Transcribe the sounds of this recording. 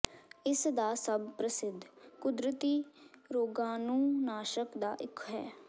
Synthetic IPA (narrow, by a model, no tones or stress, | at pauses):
ɪsd̪aːsəbpɾəsɪd̪ʱkʊd̪ɾət̪iːɾoːɡãːnũːnaːʃəkd̪aːʔɪkʰɦɛ̰ː